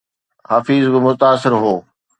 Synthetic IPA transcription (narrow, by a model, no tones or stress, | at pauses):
haːfiːzbɪmʊt̪aːsɪɾɦoː